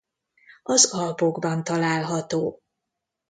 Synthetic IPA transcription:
ɒzɒlpo̞ɡbɒnt̪ɒlaːlɦɒt̪oː

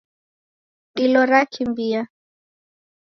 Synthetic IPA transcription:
ilɔɾakʰimbia

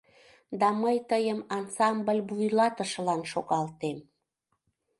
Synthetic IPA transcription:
d̪ɑməjt̪əjəmɑnsɑmbəlʲbujlɑt̪əʃlɑnʃoɣɑlt̪em

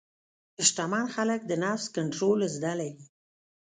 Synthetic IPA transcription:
ɪʃʈamɑnxalək̚d̪ənafskaɳʈɾolzd̪alawi

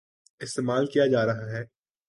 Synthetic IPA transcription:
ɪst̪eːmaːlkijad͡ʒaːɾɐɦaɦɛː

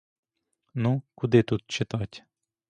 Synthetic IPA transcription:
nukʊd̪ɪt̪ut̪̚t͡ʃɪt̪ɑtʲ

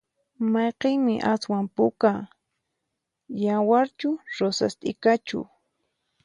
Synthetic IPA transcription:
mɑjqeŋmɪʔaswampʊka | jawaɾt͡ʃʊɾosa̰st̪ʼɪkat͡ʃʊ̰

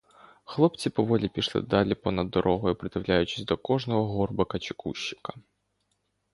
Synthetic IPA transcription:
xlˠɔpt͡sʲipɔʋɔlʲipʲiʃlˠɪ̰d̪ɑlʲipɔnɐd̪ːɔɾʔɔɦɔjʊpɾɪt̪ɪwlʲajʊt͡ʃɪ̥sʲd̪ɔkɔʐnɔɦɔɦɔrbɐkɐt͡ʃɪkuʃːɪ̥kɐ̥

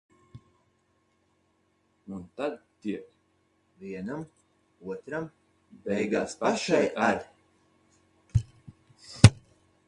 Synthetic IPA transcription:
unt̪ad̪̚t̪iɛk | viɛnam | uɔt̪ɾam | bɛjɡaːspaʃajʔaɾʲ

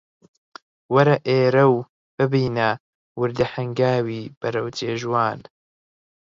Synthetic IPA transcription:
wɐɾɐʔeːɾɐw | b̥ɨbiːnɐ | wʊɾd̪ɐhɐŋɡaːwiːb̥ɐɾɐwt͡ʃeːʒwaːn

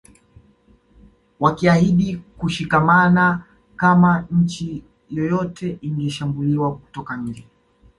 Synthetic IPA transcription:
wakiahiɗikuʃikamana | kamaɲ̩t͡ʃi | jɔjɔtʰɛʔiŋɡɛʃambuliwaku̥tɔkaɲ̩d͡ʒɛ

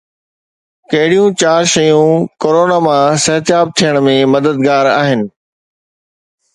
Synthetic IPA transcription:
kɐɦɪɽijũt͡ɕaːɾʃɐjũkoːɾoːnaːmãsɐɦt̪ɪjaːb̚t̪ʰijəɽ̃mẽmɐd̪əd̪ɡaːɾa̰ːɦɪnɪ̆

